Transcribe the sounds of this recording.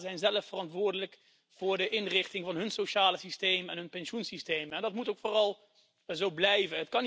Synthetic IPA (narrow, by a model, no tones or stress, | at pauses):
zɛjnzɛləfərɑntʋʊːɹdələk | v̥ʊːɹdəʔɪnrɪχtɪŋvɑnɦɵnsoʃaːləsistejmɛnɦɵnpɛnʃunsistejmɛndɑtmutowkfʊːrɑlˠ | zowblɛjvənɦətkɑn